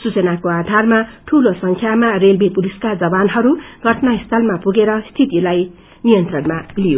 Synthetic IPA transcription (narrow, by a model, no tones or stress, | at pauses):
sut͡sʌnakoad̪ʱarmaʈʰulosʌŋkʰjamarelbipuliskad͡zʌbanɦʌɾuɡʱʌʈʰnaist̪ʰʌlmapuɡeɾʌst̪ʰit̪ilaj | nijʌnt̪rʌnmalijo